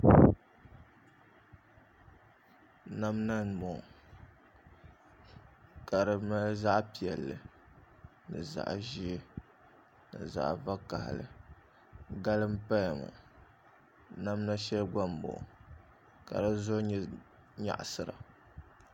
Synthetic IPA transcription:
na˦mna˦n˨bo˨ŋ˨ | ka˨ɾɨ˨ma˦za˦ʔpi˨ɛ˨lːɨ˨ | nɨ˨za̰˨ʔʒi˦ | nɨ̰˨za̰˨ʔva˦ka˨hlɨ̰˨ | ɡa˦lɨ˦m̩˦pa˦jmʊ̰˨ | na˦mna˦ʃɛ˦lɡa˦m˨bo̰˨ʔ | ka̰˨ɾɨ˦zo˦ɲ˦ | ɲa̰˨ʔsɨ˨ɾa̰˨

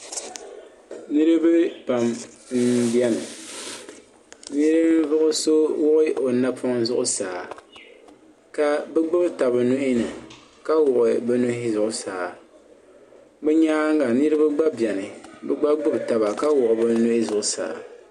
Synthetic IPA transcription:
nɨ˦ɾɨ˦bɨ˦pa˨m | m̩˦bjɛ˦nɨ˨ | nɨ˦ɾɨ˦m˦vʊ˦ʔʊ˦so˦wʊ˦ʔɪ˦o˨na˦pʰʊ˦ŋzʊ˦ʔʊ˦saː˨ | ka˦bɨ˦ɡ͡bɨ˦bta˨bɨ˨nʊ˦ʔɪ˦nɨ˨ | ka˦wʊ˨ʔɪ˨bɨ˦nʊ˦hɪ˦zʊ˨ʔʊ˦saː˨ | ɡ͡bɛ˦ɲaː˦ŋ˦ɡa˨nɨ˦ɾɨ˦bɨ˦ɡ͡ba˦bjɛ˨nɨ˨bɛ˦ɡ͡ba˦ɡ͡bɨ˦bta˨ba˨ka˦wʊ˨ʔʊ˨bɨ˦nʊ˦ʔɪ˦zʊ˨ʔʊ˨sa̰ː˨

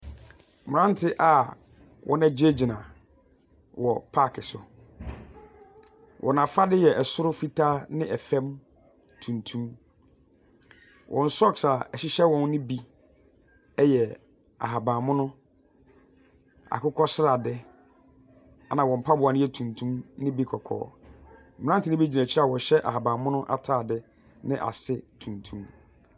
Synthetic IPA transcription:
m̃˨ɾã˦n˦tʰɪ˦ʔa˨ | wʔɔ̰˦nã˦d͡ʑe˦d͡ʑi˨nã˨ | wɔ˨pʰa˦˨kʰɪ˨sʊ˨ | wʔɔ̰˨nã˨fa˦dɪ˦jɛ˨ʔɛ˨sʊ˦ɾʊ˦fi˦tʰa˦nɪ̃˦ʔɛ˨fɛ̃˦m | tʰũ˨ntʰũ˦m | wʔɔ̃˨n̩˦sɔ˦˨ksa˨ɛ˨ɕɪ˦ɕɛ˦wɔ̃˨n˦nɪ̃˦bi˦ | ɛ˦jɛ˨ | a̰˨ɦa˨bãː˨mʊ̃˦nʊ̃˦ | a̰˨kʰʊ˦kʰɔ˦sɪ˦ɾa˨dɪ˦ | a˨nã˨wɔ̃˨m̩˨pʰa˦bʊ˨a˨nʊ̃˦jɛ˦tʰũ˨ntʰũ˦mnɪ̃˦bi˦kʰɔ˨kʰɔ̰ː˨˦m̩˨m̩˨˦ã˦n˦tʰɪ˨nɪ˦bi˦d͡ʑi˨næ̃˨t͡ɕʰɪ˦a˨wɔ̃˨ɕɛ˦ʔa̰˨ɦa˨bãː˨mʊ̃˦nʊ̃˦ʔa̰˨tʰaː˦˨dɪ˦ | nɪ̰̃˦ʔa̰˨sɪ˦tʰũ˨ntʰũ˦m

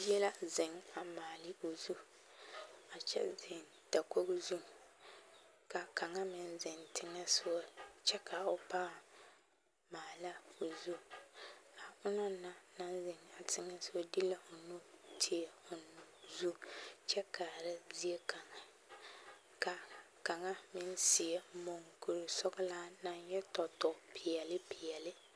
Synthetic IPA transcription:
jɛ˦la˦zɪ˨ŋa˨maː˨lɪ˦o˨zu˦ | a˨t͡ʃɛ̰˦zɪ˨n | ta˨ko˦ɡzu˦˨ | ka˨ka˨ŋa˦mɪ˨nzɪ˨ntɪ˨˦ŋa˦sʊ˦a˦t͡ʃɛ˦ka˨o˨paː˦˨ | maː˨la˦o˨zu˦ | ka˨ʊ˦nɔ˦nːa˨na˦nzɪ˨ŋa˨tʰɪ˨ŋɛ˦sɪ˦wɔ˦di˦la˦ʊ˨no˦tʰi˨ɛ˨ʊ˨n˨zu˦t͡ʃɛ˦kaː˨ɾɪ˦zi˦e˦ka˨ŋa˨ | ka˨ | ka˨ŋa˦mɪ˦n˦sɪ˨ɛ˦mo˨ŋku˨ɾɪ˨sɔ˦ɡlaː˦na˦njɛ˦tɔ˨tɔ˨pʰɪ˨jɛ˨lɪ˦pɪ˨ɛ˨lɪ˦

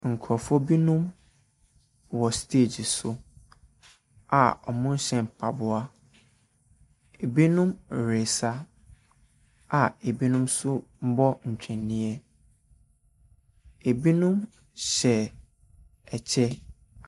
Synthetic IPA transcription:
ŋ̩˨kʰɾɔ˨fɔ˦bi˦nũ˦m | wɔ˨stʰe˦˨d͡ʑi˨sʊ˦ | a̰˨ɔ˨mʊ̃˦n̩˦ɕɛ̃˨m̩˨pʰa˨bʊ˦a˦ | e˨bi˦nũ˦m˨ɾe˨sa˦ | a˨e˨bi˦nũ˦msʊ˦m̩˦bɔ˦ɲ̩˨t͡ɕᶣʰɛ̃˨nːĩ˦ɛ˦ | e˨bi˦nũ˦m | ɕɛ˨ | ɛ˨t͡ɕʰɛ˦

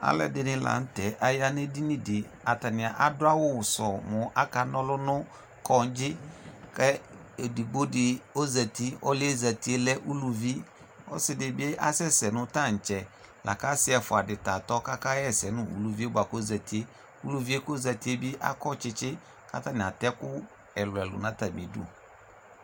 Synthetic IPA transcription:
a̰˦lɛ̰˨dɪ˦nɪ˦la̰˨n̩˦tɛ˨ʔa˨ja˦ne˦di˦nĩ˦dɪ˨ | a˨ta˨nɪ˨a˨ʔa˨dʊ˦a˦wʊ˦˨sɔ˨mʊ˨ʔa˦ka˨nɔ˦lʊ˦nʊ˦ | kɔ˦n̩˦d͡ʒɪ˦kɛ˦e˨di˨ɡ͡bo˦dɪ˨o˦za˨ti˦ɔ˦lza˨ti˨e˦lɛ˦ʔu˦lu˨vi˦ | ɔ̰˦sɪ˨dɪ˨bʔa̰˦sɛ˦sɛ˨nʊ̃˦ta˦˨n̩˨t͡ʃɛ˨ | lʔa̰˨ka˦sɪ˦ɛ˨fʊ˨a˨dɪ˨ta˨tɔ˦ka˦ka˦ɛ˦˨sɛ˨nʊ̃˦ṵ˨lu˨vi˦o˦ba˨ko˦za˨ti˨˦e˦ | u˦lu˨vi˦e˦ko˦za˨ti˦e˦bɪ˦ʔa̰˦kɔ˦t͡ʃɪ˦t͡ʃɪ˦ | ka̰˦ta˦nɪ˨a˨tɛ˦kʊ˦ | ɛ˨lʊ˨ɛ˨lʊ̰˨nã˦ta˨bi˨dṵ˦

